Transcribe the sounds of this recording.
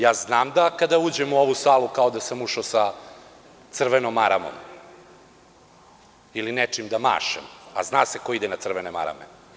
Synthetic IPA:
jaːznaːmd̪akad̪auːd͡ʑemuo̞ʋusaːlˠukao̞d̪asamuʂaosa | t̪sr̩ʋenomaɾa̰mo̰m | ilinet͡ʂimd̪ama̰ːʃḛma̰znaːseko̞id̪enat̪sr̩ʋenema̰ɾa̰mḛ

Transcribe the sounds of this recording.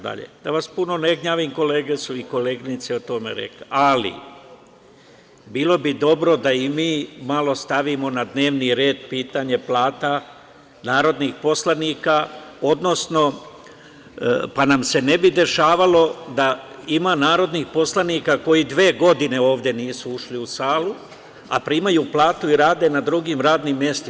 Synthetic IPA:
d̪a̰ʎḛd̪̥aʋaspuno̞neɡɲaːʋimko̞leːɡet̪suiko̞leːɡnit̪seot̪o̞mḛɾḛklḛalḭ | biːlˠo̞bid̪o̞bɾo̞d̪aimiːmalo̞st̪aʋimo̞nad̪ne̞ːʋniɾe̞ːd̪̚piːt̪aɲe̞plaːt̪a | naːɾo̞d̪nixpo̞slˠaniːkao̞d̪no̞sno̞ | panamse̞ne̞bid̪e̞ʃaːʋalo̞d̪aimanaːɾo̞d̪nixpo̞slaniːkako̞jid̪ʋeːɡo̞d̪ine̞o̞ːʋd̪je̞niːsuuʃliusaːlu | a̰pɾiːmajuːplaːt̪uiɾaːd̪e̞nad̪ɾuɡimɾaːd̪nimːje̞st̪i

